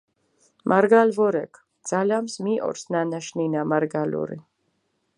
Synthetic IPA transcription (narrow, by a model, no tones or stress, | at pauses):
mʔaɾɡalvɔɾɛkʰ | d̪z̥alamsmiʔɔ̰ɾsnanaʃninamaɾɡalṵɾḭ